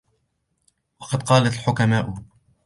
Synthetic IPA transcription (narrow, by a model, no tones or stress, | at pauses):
wɑqɑd̪̚qɑːlat̪lħʊkamaːʔʊ